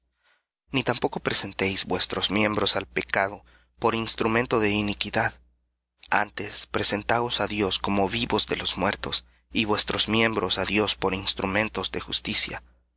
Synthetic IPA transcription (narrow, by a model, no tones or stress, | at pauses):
nit̪ampo̞ko̞pɾese̞nt̪ejzbwe̞st̪ɾo̞zmje̞mbɾosalpe̞kað̞o̞ | po̞ɾinst̪ɾumẽ̞nt̪o̞ðe̞inikiðað | a̰nt̪e̞spɾe̞se̞nt̪aosaðjo̞sko̞mo̞βiβo̞zðe̞lo̞zmwe̞ɾt̪o̞s | iβwe̞st̪ɾo̞zmje̞mbɾo̞saðjo̞spo̞ɾinst̪ɾumẽ̞nt̪o̞zðe̞xṵst̪isja̰